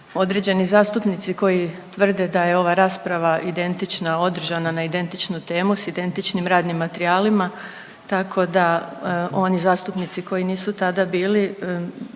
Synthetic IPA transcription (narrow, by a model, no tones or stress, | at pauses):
o̞d̪ɾe̞d͡ʑe̞nizaːst̪upnit̪siko̞jit̪ʋr̩d̪e̞d̪aje̞o̞ʋaɾaːspɾaʋaʔid̪e̞nt̪it͡ʃnao̞d̪r̩ʒananaid̪e̞nt̪it͡ʃnut̪e̞ːmusid̪e̞nt̪it͡ʃnimɾaːd̪nimːat̪eɾiaːlima | t̪akʰo̞d̪a | o̞nizaːst̪upnit̪siko̞jiniːsut̪ad̪abiːli